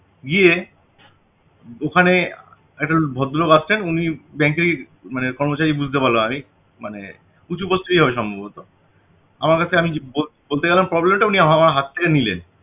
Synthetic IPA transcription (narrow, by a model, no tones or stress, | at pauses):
ɡie | okʰane | ɛk̚ʈabʱɔd̪ʱːoloɡat͡ɕʰlenunibɛŋkeɾe | manekɔɾmot͡ɕaɾibud͡ʑʱt̪epaɾloami | manḛ | ut͡ɕʰubost̪uɾiɦɔbeʃɔmbʱabot̪o | a̰maɾkat͡ɕʰeamibobolt̪eɡɛlampɾɔblemʈauniaamaɾɦat̪t̪ʰekenilḛn